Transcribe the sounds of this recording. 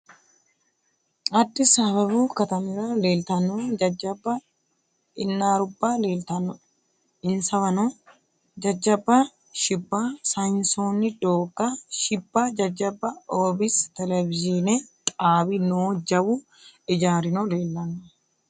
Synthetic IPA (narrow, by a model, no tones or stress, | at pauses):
ɐd̪ʼːɪsaːβɐbuːkɐt̪ɐmɪɾɐle̞ːlt̪ɐnod͡ʒɐd͡ʒɐbːɐ | ɪnːaːɾʊbːaːle̞ːlt̪ɐnɔ | ɪnsɐβɐnɔ | d͡ʒɐd͡ʒːɐbɐ | ʃɪbːaːsɐjnsoːnːɪd̪oːɡɐʃɪbːaːd͡ʒɐd͡ʒːɐbːɐoːbɪst̪ɛlɛbɪd͡ʒɪnɛtʼaːbɪnʊd͡ʒːɐwu | ɪd͡ʒaːɾɪnɔle̞ːlːɐnɔ